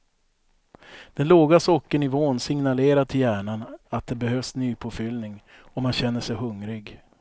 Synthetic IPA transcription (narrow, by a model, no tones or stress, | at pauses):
d̪̥ɛnloːɡasɔkːəɳɪvoːnsɪŋnaleːɾat̪ʰɪljæːɳanat̪̚d̪ɛbɛɦøːvsnyːpʰofʏlnɪŋ | ɔmːanɕɛnːəʂɛjɦɵŋɾɪɡ